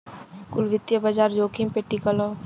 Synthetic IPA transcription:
kʊlʋɪt̪jəbɐd͡ʒaːɾd͡ʒoːkʰĩmpeʈːikəlo

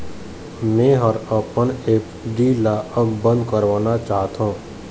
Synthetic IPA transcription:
mẽːɦɔɾəpəneːk | ɖiːlaʔəɡbə̃nd̪̚kəɾʋaːnat͡ʃaːɦt̪õː

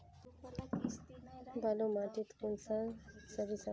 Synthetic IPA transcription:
balomaʈit̪kunsãsəɾisa

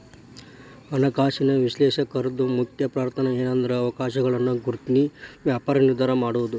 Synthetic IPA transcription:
ɐnɐkaːʃinɐʋiʃleːʃɐkɐɾɐd̪umukʰjɐpɾaːɾt̪ʰɐnɐeːnɐnd̪ɐɾeɐʋɐkaːʃɐɡɐɭɐnːuɡuɾt̪iniʋjaːpaːɾɐniɾd̪ʱaːɾɐmaːɽuʋud̪u

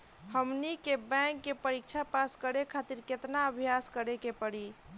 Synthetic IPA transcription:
həmnikebɛ̃ŋkːepəɾik̚t͡ʃʰapaskəɾekʰat̪iɾket̪naəbʱjaskəɾekepəɽi

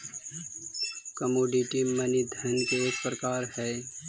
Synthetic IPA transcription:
kəmoːɖiʈimənid̪ʱənkeeːk̚pɾəkaːɾhɛ

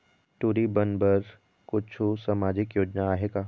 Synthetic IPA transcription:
ʈuːɾibɐnbəɾ | kʊt͡ʃʰusɐmaːd͡ʒɪkjoːd͡ʒnaaːɦeːɡaː

